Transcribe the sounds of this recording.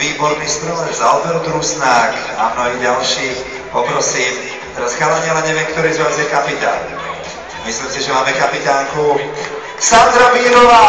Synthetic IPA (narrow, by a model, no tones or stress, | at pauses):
iːbɔɾnist̪ɾɔɛzaɔbɛɾud̪ɾusnaːk | amnɔɦiːɟalʃiː | pɔpɾɔsiːm | t̪ɛɾasxalaɲɪɛlaɲɛʋɪɛmkt̪ɔɾiːzʋaːzjɛkapit̪a̰ːn | mislimsɛʒɛmaːmɛkapit̪aːŋku | ksand̪ɾamiːɾɔʋaː